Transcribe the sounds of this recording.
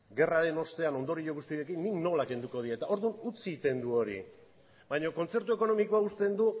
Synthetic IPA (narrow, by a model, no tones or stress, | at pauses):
ɡe̞raɾe̞no̞st̪e̞ano̞nd̪oɾiʎoɣ̞ust̪ie̞kinːikno̞lake̞nd̪uko̞ðiet̪ao̞ɾðunut͡sit̪e̞nd̪uo̞ɾḭ | bajɲo̞ko̞nt͡se̞ɾt̪ue̞ko̞no̞miko̞aust̪e̞nd̪u